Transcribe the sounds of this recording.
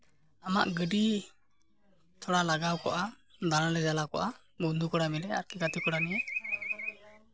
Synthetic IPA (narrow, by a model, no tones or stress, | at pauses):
ama̰ʔɡəɖi | t̪ʰɔɽalaɡawkɔʔa | d̪analɛd͡ʒalakɔ̰ʔa | bund̪ukɔɽamilɛa̰ɾkikat̪ikɔɽanɛjɛ